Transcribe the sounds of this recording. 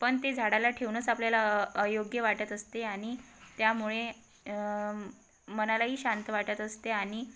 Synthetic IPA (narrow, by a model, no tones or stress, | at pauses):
pəɳt̪ed͡zʱaɽalaʈʰeʋnət͡sapljalaəjoɡjəʋaʈət̪əst̪eaɽ̃it̪jamuɭe | mənalaɦiːɕant̪əʋaʈət̪əst̪eaɽ̃i